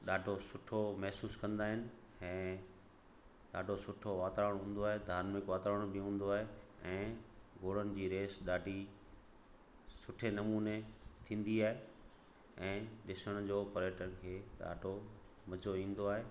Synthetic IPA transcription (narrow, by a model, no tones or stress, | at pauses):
ɗaːɖʱosʊʈʰomɛɦsuːskɐ̃nd̪aːɦɪnɪ̆ | ɛ̃ː | ɗaːɖʱosʊʈʰoʋaːt̪ɾəɽ̃ɦũːn̆d̪oaːɦed̪ʱaːɾmɪkʋaːt̪ɾəəɽ̃bɪɦũːn̆d̪oaːɦeɛ̃ːɡoːɽ̤ənɪ̆d͡ʑiːɾeːsɗaːɖʱi | sʊʈʰenɐmuːnet̪ʰĩːn̆d̪iaːɦe | ɛ̃ːɗɪsəɽ̃d͡ʑoːpɐɾeːʈənɪ̆kʰeːɗa̰ːɖʱo | mɐd͡ʑoĩːn̆d̪oaːɦeː